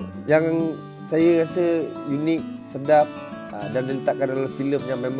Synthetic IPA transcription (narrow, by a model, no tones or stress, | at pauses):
jaŋ | sajəɣasəjunɪk̚sədap̚ | dandələt̪aʔkːandaalafiləmjaŋmɛm